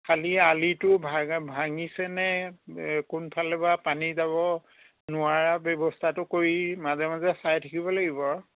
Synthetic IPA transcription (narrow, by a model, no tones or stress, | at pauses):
kʰalialitʊbʱabʱaŋisɛnɛ | kʊnpʰalɛbapanizaβɔ | nʊaɹabɔbɔstʰatʊkoɹimazɛmazɛsajtʰakibɔlaɡibɔɹ